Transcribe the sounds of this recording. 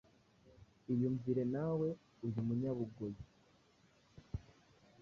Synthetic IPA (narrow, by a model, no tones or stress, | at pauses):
iβjuɱviɾe̞nawe̞ | uɾimuɲaβuɡoji